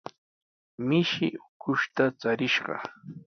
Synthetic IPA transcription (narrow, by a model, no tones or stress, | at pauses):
mɪʃɪ̰ʊkʰʊʃt̪at͡saɾɪʃɢɑ̰